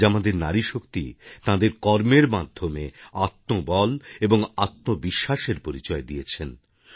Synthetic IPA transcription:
amad̪eɾnaɾiʃokt̪it̪ãd̪eɾkɔɾmeɾmad̪ʱːomeat̪nobɔleboŋat̪nobiʃːaʃeɾpoɾit͡ɕɔed̪ijet͡ɕʰen

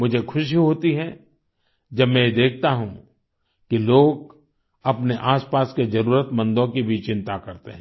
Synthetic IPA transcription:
mʊd͡ʒʱekʰʊʃiɦoːt̪iɦɛ | d͡ʒɐbmɛ̃jed̪eːk̚ʰt̪aɦũ | kiloːɡ | ɐpneʔaːspaːsked͡ʒɐɾuːɾət̪mɐ̃nd̪õkibʱit͡ʃɪ̃nt̪akɐɾt̪eɦɛ̃ː

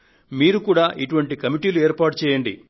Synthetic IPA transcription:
miːɾukuːɽaːʔiʈuʋɐɳʈikɐmiʈiːlueːɾpaːʈ̚t͡ʃɛːjɐɳɖḭ

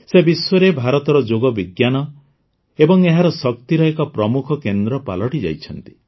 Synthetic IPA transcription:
sebiswɔɾebʱaɾɔt̪ɔɾɔd͡ʒoɡɔbiɡjanɔ | ebɔŋeɦaɾɔsɔk̚t̪iɾɔekɔpɾɔmukʰɔkend̪ɾɔpa̰lɔʈid͡ʒa̰jt͡ʃʰɔnt̪i̥

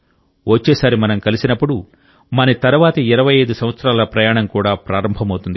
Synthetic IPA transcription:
ʋot͡ʃːeːsaːɾimɐnɐmkɐlisinɐpːuɽu | mɐnɐt̪ɐɾuʋaːt̪ɐiɾɐʋɐjɐjd̪usɐmʋɐt̪sɾaːlɐpɾɐjaːɳɐmkuːɽaːpɾaːɾɐmbʱɐmɐwt̪und̪i

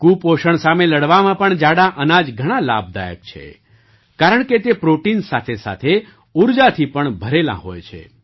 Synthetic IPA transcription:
kupoʃəɳsameləɽʋamãpəɳd͡ʒaɽãʔənad͡ʒɡʱəɽ̃ala̰b̚d̪a̰jə̰k̚t͡ʃʰḛ | kaɾəɳket̪epɾoʈinsat̪ʰesa̰t̪ʰe | uɾd͡ʒat̪ʰipəɳbʱəɾelã̰ɦo̰jt͡ʃʰḛ

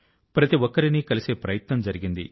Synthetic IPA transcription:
pɾɐt̪iʋɔkːɐɾinikɐliseːpɾɐjɐt̪nɐmd͡ʒɐɾiɡind̪ḭ

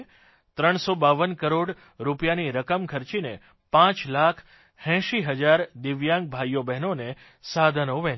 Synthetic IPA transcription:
t̪ɾəɳ̃sobaʋənkəɾoɽ | ɾupjaniɾəkəmkʰəɾt͡ʃine | pãt͡ʃlakʰ | hɛ̃ʃiɦəd͡ʒaɾd̪ɪʋjãŋɡ̚bʱajobɛɦnone | sad̪ʱənoʋɛ̃

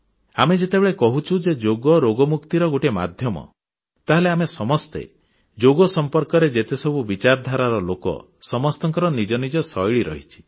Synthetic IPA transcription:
amed͡ʒet̪ebeɭekɔɦut͡ʃʰud͡ʒed͡ʒoɡɔɾoɡɔmukt̪iɾɔɡuʈema̰d̪ʱjɔmɔ̰ | t̪aɦeleamesɔmɔst̪ḛ | d͡ʒoɡɔsɔmpɔɾkɔɾed͡ʒet̪esɔbubit͡ʃaɾd̪ʱaɾaɾɔlokɔ̰ | sɔmɔst̪ɔŋkɔɾɔnid͡ʒɔnid͡ʒɔsɔjɭiɾɔ̰ɦit͡ʃʰi̥

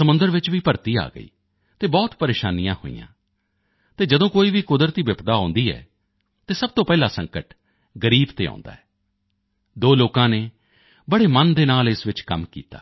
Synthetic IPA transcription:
səmʊ̃nd̪əɾʋɪt͡ʃʋiːpəɾt̪iːa̰ːɡə̰ḭː | t̪eːbɔːt̪pəɾeːʃaːnɪjãːho̰ːḭjã̰ː | t̪eːd͡ʒəd̪õːkoːiːʋiːkʊd̪əɾt̪iːbɪpd̪aːõːnd̪iːɛ̰ː | t̪eːsəb̚t̪õːpɛːlaːsə̃ŋkəʈ | ɡəɾiːbt̪eːɔ̰̃ːnd̪a̰ːɛː | d̪oːloːkãːneː | bəɽeːmənd̪eːnaːlɪsʋɪt͡ʃkəmkḭːt̪a̰ː

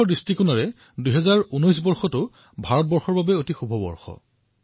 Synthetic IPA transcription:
ɔdɹistikunaɹɛ | duɦɛzaɹunɔjs̬bɔɹxɔtʊ | bʱaɹɔt̚bɔɹxɔɹbabɛotixubʱɔbɔ̰ɹxɔ̰

